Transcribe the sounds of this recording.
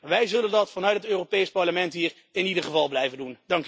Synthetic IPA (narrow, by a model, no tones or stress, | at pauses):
ʋɛjzɵləndɑtfɑnœɥtətøːropejspɑɹləmɛntɦiːɹ | ɪnidəχəvɑlˠblɛjvəndundɑŋk